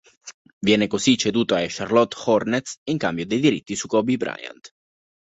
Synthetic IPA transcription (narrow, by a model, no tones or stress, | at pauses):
vjɛːnekosit͡ʃːed̪uːt̪oajʃarlɔt̪ːxɔrnet̪siŋkambjod̪ejd̪iɾit̪ːisukɔbibɾa̰ja̰nt̪